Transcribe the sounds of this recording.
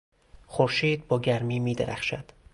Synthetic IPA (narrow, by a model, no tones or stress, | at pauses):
xoɾʃiːd̪̚bɒːɟæɾmiːmiːd̪eɾʔæ̰xʃæd̪̥